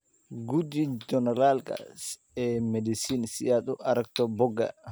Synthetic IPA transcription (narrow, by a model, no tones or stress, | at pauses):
ɡud̪id͡ʒɔnɛɾalka̰ | ɛmɛdisinsiat̪uʔɐɾɐkt̪ɔbɔɡa̰